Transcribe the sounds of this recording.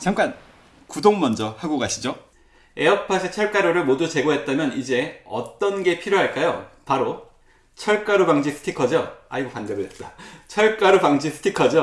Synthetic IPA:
t͡ɕamk͈an | kudoŋmʌnd͡ʑʌhaɡoɡaɕʰid͡ʑo | e̞ʌpʰasʰet͡ɕʰʌɭk͈aɾoɾɯɭmodut͡ɕe̞ɡoɦe̞t̚t͈amjʌnid͡ʑe̞ʌ̰t͈ʌnɡe̞pʰiɾjoɦaɭk͈ajopaɾo | t͡ɕʰʌɭk͈aɾupaŋd͡ʑisʰɯ̥tʰikʰʌd͡ʑoa̰iɡopandebodet̚t͈at͡ɕʰʌɭk͈aɾupaŋd͡ʑisʰɯ̥tʰikʰʌd͡ʑo

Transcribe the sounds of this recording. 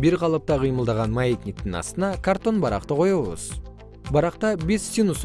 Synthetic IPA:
beɾqʰɑlˠəp̚t̪ɑqʰijməlˠd̪ɑʁɑnmɑet̪nʲik̚t̪ɪŋɑ̰st̪ənɑkʰart̪o̞nbɑɾɑ̰qt̪əqʰo̞jɑwə̰z̥ | bɑɾɑqt̪ɑbe̞sːinus

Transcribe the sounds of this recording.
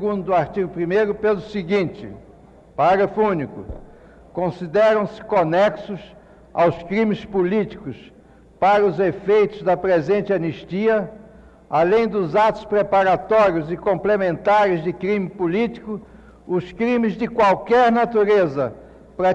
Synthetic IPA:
ɡũnd̪ʊaɾt͡ʃ̪iɡʊpɾimejɾʊpelʊsɪɡĩnt͡ʃ̪ɪ̰ | paɾɐfũnikʊ̰ | kõsid̪ɛɾɐ̃w̃sɪ̥konɛksʊs | a̰wskɾĩmɪspulit̪i̥kʊs | paɾɐʊzefejt̪ʊzd̪ɐpɾezẽnt͡ʃ̪ɪɐniʃt̪iɐ | alẽj̃d̪ʊzat̪ʊ̥spɾepaɾat̪ɔɾiʊzɪkõmplemẽnt̪aɾɪzd̪ɪkɾĩmɪpulit̪i̥kʊ | ʊskɾĩmɪzd̪ɪkwawkɛɾnat̪uɾezɐ | pɾɐ

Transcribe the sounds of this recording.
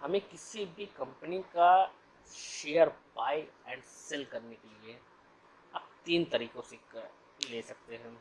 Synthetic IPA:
hɐmẽkɪsibʱikɐ̃mpənika | ʃeːəɾbaːjɛ̃ːɳɖsɪlkɐɾnekelie | ɐp̚t̪iːnt̪ɐɾiːkõse | leːsɐk̚t̪eɦɛ̃ː

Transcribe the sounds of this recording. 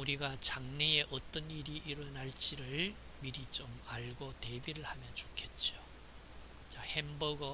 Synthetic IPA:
uɾiɡat͡ɕaŋnee̞ʔʌt͈ʌniɾiʔiɾʌnaɭt͡ɕ͈iɾɯɭ | miɾit͡ɕomaɭɡote̞biɾɯɭhamjʌnt͡ɕokʰe̞t̚t͡ɕ͈o | t͡ɕahembʌɡʌ

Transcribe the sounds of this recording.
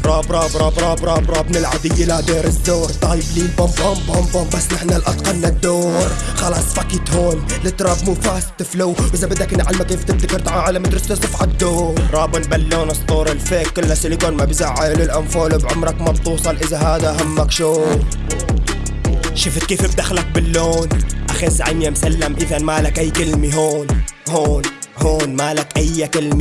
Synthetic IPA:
ɾˤɑːbɾˤɑːbɾˤɑːbɾˤɑːbɾˤɑːbɾˤɑːbnɪlʕad̪ɪjːalad̪eːɾɪzːoːɾˤt̪ˤɑjɪbliːmbombombombombasːnɪħnalʔɑt̪ˤqɑɾnad̪ːoːɾ | xɑlɑːsˤfakit̪hoːn | lɪt̪ɾˤɑbmufaːst̪ːɪflawbɪzabɪd̪ːakɪnːʕalmakeːft̪ɪb̚d̪akɪɾt̪ʕaʕalamat̪ɾɪst̪ɪsˤɪfʕad̪ːoːnɾˤɑːbʊlbalːoːnɨsˤt̪ˤuːɾˤɪlfeːkːɪlːasɪlɪɡoːnmabɪzaʕːalʊlʔanfoːlobʕʊmɾˤɑkmabt̪uːsˤɑlʔɪzaɦaːd̪aʔaɦamːakʃoːn | ʃʊft̪̚keːfɪb̚d̪axlak̚bɪlːoːnʔaxazʕanjamsalːamʔɪðanmaːlakʔajːkɪlmiɦoːnhoːnhoːnmalakʔajːakɪlmi

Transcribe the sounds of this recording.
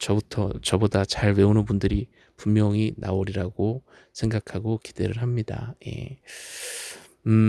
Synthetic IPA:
t͡ɕʌbutʰʌt͡ɕʌbodat͡ɕaɭwe̞onɯnpundɯɾi | pummjʌŋinʔa̰oɾiɾaɡo | sʰe̞ŋɡakʰaɡoki̥d̥e̞ɾɯɭɦamɲida̰je̞̰

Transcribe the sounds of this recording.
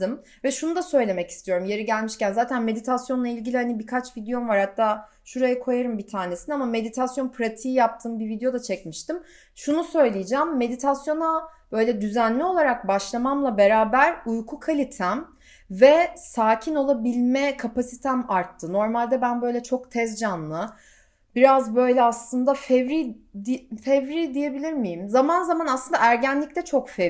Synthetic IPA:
ɯm | vɛʃunud̪asø̞jlʲe̞mɛci̥st̪ʰijo̞ɾumje̞ɾiɟælʲmiʃcænzaːt̪ʰænme̞d̪it̪ʰasjo̞nlˠailʲɟilʲihanibikʰat͡ʃvid̪ejo̞mvaɾhat̪ʰːaː | ʃuɾajakʰo̞jaɾɯmbit̪ʰaːnesinɛamame̞d̪it̪ʰasjo̞npʰɾat̪ʰijjap̚t̪ʰɯːmbivid̪ejo̞d̪at͡ʃʰɛcmiʃt̪im | ʃunusø̞jlʲijid͡ʒæːmːe̞d̪it̪ʰasjo̞nab̥ø̞jlʲɛd̪yzænlʲio̞lˠaɾak̚baʃlˠamamlˠabe̞ɾaːbæɾujkʰukʰalʲit̪ʰæm | vɛsaːcʰino̞lˠabilʲmɛkʰapasit̪ʰæmaɾt̪ʰːɯno̞ɾmalʲd̪ɛbænbø̞jlʲɛt͡ʃʰo̞kt̪ʰɛzd͡ʒanlˠɯ | biɾazbø̞jlʲɛaslˠɯnd̪afɛvɾid̪ifɛvɾid̪ije̞bilʲiɾmijimzamanzamanasˠɯnd̪aæɾɟænlʲict̪ɛt͡ʃʰo̞kfɛ

